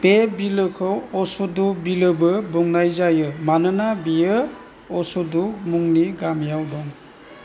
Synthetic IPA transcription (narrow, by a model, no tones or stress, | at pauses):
pebilɯkʰɯwɔsudubilɯbɯbuŋnajzajɯmanɯnabijɯ | ɔsudumuŋniɡamjawdɔŋ